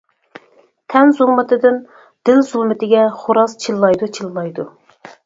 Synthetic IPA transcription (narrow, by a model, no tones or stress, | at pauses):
t̪ʰɛnzulˠmɨt̪ʰɨd̪ɪn | d̪̥ɪlzulˠmɪt̪ʰɪɡʲɛχoɾɑst͡ʃʰilːˠɑjd̪ut͡ʃʰillˠɑjd̪u